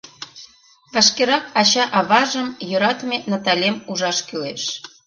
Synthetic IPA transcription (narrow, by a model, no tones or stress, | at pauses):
βɑʃkeɾɑkɑɕɑʔɑβɑʒə̆mjø̆ɾɑt̪menɑt̪ɑlʲemuʒɑʃkyleʃ